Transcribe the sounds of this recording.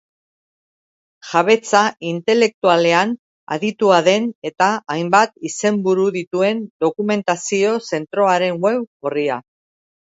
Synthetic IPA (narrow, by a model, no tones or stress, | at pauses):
ʝaβe̞t͡saʔint̪e̞le̞k̚t̪uale̞an | a̰ðit̪uaðe̞ne̞t̪aːjmbat̪ise̞mbuɾuðit̪ue̞nd̪o̞kume̞nt̪asio̞se̞nt̪ɾo̞aɾe̞ŋwe̞woria